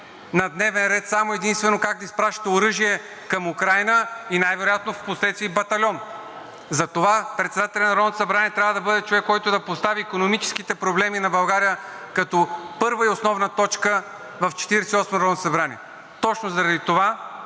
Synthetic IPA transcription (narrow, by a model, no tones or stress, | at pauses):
nɐd̪nɛvɛnɾɛt̪samoɛd̪inst̪vɛnokak̚d̪ɐispɾaʃi̥t̪ɛoɾɤʒiɛ | kɐmukɾajnəinajvɛɾojat̪nofposlɛt̪t̪iːbɐt̪ɐlʲɔn | zɐt̪ovapɾɛt̪sɛd̪at̪ɛlʲɛnɐɾɔd̪nt̪osɐbɾaniɛt̪ɾʲavəd̪ɐbɤd̪ɛt͡ʃovɛkːɔjt̪od̪ɐpost̪aviːkonomit͡ʃɛ̥sk̟it̪ɛpɾoblɛminɐbɐlˠɡaɾijə | kɐt̪ɔpɤɾvəiosnɔvnət̪ɔt͡ʃkə | vɐft͡ʃɛ̥t̪iɾɛsɛiɔsmɐnɾɔd̪osɐbɾaniɛ | t̪ɔt͡ʃnozɐɾɐd̪it̪ova